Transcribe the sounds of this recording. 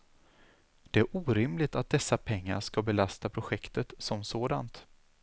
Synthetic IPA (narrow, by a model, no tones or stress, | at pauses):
d̪̥ɛæɾʔuːɾɪmlɪt̪at̪̚d̪ɛsːapʰɛŋːa̰ɾʂkabɛlast̪apʰɾʊɧɛkt̪ət̪sɔmsoːd̪ant̪